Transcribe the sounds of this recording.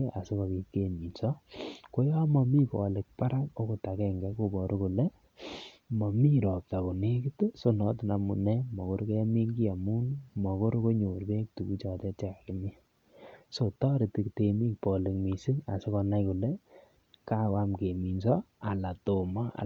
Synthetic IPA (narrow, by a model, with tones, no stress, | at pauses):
e˦a˨sɪ˦kɔ˨ki˨ke˨mi˨nsɔ˦ko˦jɔ˦mɔ˧mi˦pɔ̰˨le˨k̚pa˦ɾa˦ko˦ko˨ta˨kɛ˦ŋɡɛ˦ko˦bɔ˨ɾu˦ku˨le˦ | mɔ˨mi˦ɾɔ˨p̚ta˨ku˨ne˦ki˦tso˦nɔ˨˦tɪ˨na˨mṵ˨nɛ˦mɔ˨ko˦ɾke˦mi˦ŋɡi˦a˨mu˦nmɔ˨ko˦ɾko˦ɲo˨ɾbe˦k̚tu˨ku˦t͡ʃɔ˨tɛ˦t͡ʃɛ˨ka˨kɪ˦mi˦ | so˨tɔ˦ɾɪ˨ti˨kte˨mi˦k̚pɔ˨le˨kmi˨si˦ŋa̰˨sɪ˦kɔ˧na˦jku˨le˦ | ka˦ka˦mke˨mi˨nsɔ˦a˨la˨to˨ma˦a̰˨